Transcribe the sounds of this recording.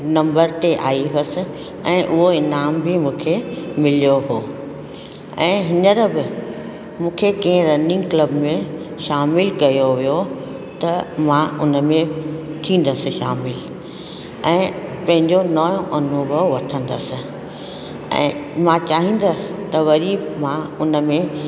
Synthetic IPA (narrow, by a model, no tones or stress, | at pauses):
nɐ̃mbəɾt̪eʔaːiɦəsɪ̆ | ɛ̃ːʔʊɦoɪnaːmbʱɪmũːkʰemɪlijoɦoː | ɛ̃ːɦɪnəɾbɪ | mũːkʰekĩɪ̃ɾɐnɪ̃ŋɡkləbmẽʃaːmɪlkɐjoʋijo | t̪ɐmãʊnə̆mẽt̪ʰĩːn̆d̪əsɪ̆ʃaːmɪl | ɛ̃ːpɐ̃ɦɪ̃ɲd͡ʑonɐjõʔɐnubəʋɐʈʰə̃nd̪əsɪ̆ | ɛ̰̃ːmãt͡ɕaːɦĩːn̆d̪əsɪ̥̆t̪ɐʋɐɾimãʊnə̆mẽ